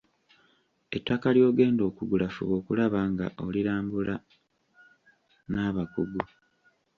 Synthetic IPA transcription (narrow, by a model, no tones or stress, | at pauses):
e̞tːakaljo̞ːɡe̞ːndo̞ːkuɡulafṵβo̞ːkulaβaŋɡa̰ʔo̞liɾaːmbula | naːβakuɡu